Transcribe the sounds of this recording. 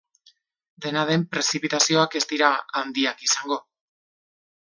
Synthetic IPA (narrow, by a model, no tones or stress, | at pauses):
d̪e̞naðe̞mpɾe̞sipit̪asio̞ake̞zt̪iɾaand̪iakisaŋɡo̞